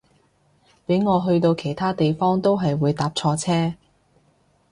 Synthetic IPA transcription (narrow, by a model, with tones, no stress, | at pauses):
pe˨˥ŋɔː˨˧ɦɵ˧ɥt̪o˧wkʰe˨˩jt̪ʰaː˥t̪e˨jfɔː˥ŋt̪o˥wɦɐ˨jwuː˨˧jt̪aː˨˥p̚t͡sʰɔː˧t͡sʰɛː˥